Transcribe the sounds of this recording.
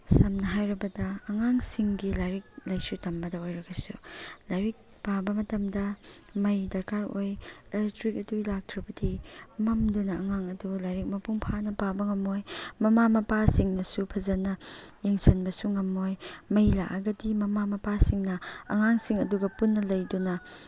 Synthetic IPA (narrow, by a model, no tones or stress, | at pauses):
sɐmnɐɦajɾɐbɐdɐːŋaŋsiŋɡilajɾik̚lɐjsutɐmbɐdɐojɾɐɡɐsṵlajɾik̚ | pabɐmɐtɐmdɐ | mɐjdɐɾkaɾojelk̚tɾikɐdulak̚tʰɾɐbɐdimɐmdunɐɐŋaŋɐdulajɾik̚mɐpuŋpʰanɐpabɐŋɐmojmɐmamɐpasiŋnɐsupʰɐzɐnɐjeŋsɐnbɐsuŋɐmːojmɐjla̰kaɡɐdimɐmamɐpasiŋnɐɐ̰ŋaŋsiŋɐduɡɐpunːɐlɐjdunɐ